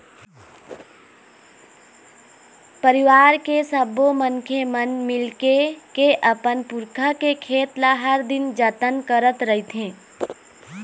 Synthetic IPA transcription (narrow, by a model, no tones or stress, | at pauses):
pəɾɪʋaːɾkesəbomənkʰemənmɪlkekeʔəpənpʊɾkʰəkekʰeːt̪laɦəɾd̪ɪnd͡ʒət̪ənkəɾət̪ɾəɦit̪ɦẽː